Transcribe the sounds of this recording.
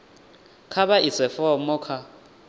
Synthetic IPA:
kʰaɓaʔisɛfɔmɔkʰa

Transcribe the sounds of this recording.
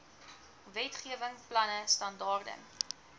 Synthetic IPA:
vɛtχiəvəŋplɐnəstɐndɑːrdə̰n

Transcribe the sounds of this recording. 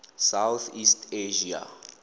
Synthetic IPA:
sawθistʰeʒia̰

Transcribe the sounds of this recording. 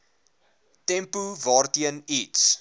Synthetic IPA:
tɛmpuvɑːrtiəniːts

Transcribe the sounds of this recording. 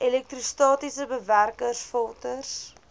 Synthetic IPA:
ɛlɛk̚tristɑːtisəbəværkərsfɔlˠtərs

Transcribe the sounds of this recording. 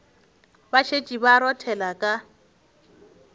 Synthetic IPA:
baʃʰet͡ʃʼibaɾɔtʰɛlakʼa

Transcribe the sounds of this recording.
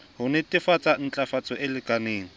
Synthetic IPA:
hʊnɪtʼɪfat͡sʼan̩t͡ɬʼafat͡sʼɔʔɪlɪkʼaneːŋ̩

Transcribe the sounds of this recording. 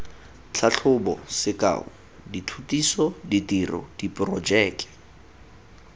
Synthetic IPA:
t͡ɬʰaɬʰʊbɔ̰sɪka̰ːʊ̰ | ditʰutisɔditirɔ̰d̥ipʼrɔd͡ʒɛːkɛ̥

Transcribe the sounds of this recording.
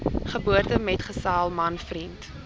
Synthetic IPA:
χəbuərtəmɛtχəsaːlˠmɐnfrint

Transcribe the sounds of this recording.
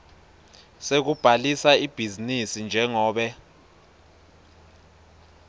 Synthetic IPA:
sek̬ub̥ʱalisaib̥ʱizinisind͡ʒʱɛŋɔːɓɛ

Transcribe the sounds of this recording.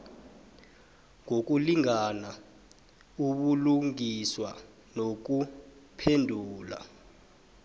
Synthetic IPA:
ŋʱok̬uliŋana | uɓuluŋiswa | nok̬u | pʰendʱuːla̰

